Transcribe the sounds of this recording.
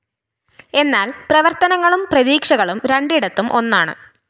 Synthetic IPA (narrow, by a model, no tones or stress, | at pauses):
e̞nːaːlprɐʋɐrt̪ɐnɐŋːɐɭumprɐðiːkʂɐɣɐɭumɾeɳɖiɽɐt̪ːumʔo̞nːaːɳɨ̰